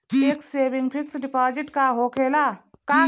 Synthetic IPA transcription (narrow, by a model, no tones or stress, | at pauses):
ekseːbiŋpʰiksɖipaːd͡ʒiʈkaɦokʰelaka